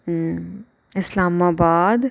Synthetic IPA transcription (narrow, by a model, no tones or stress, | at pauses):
ɪslaːmaːbaːd̪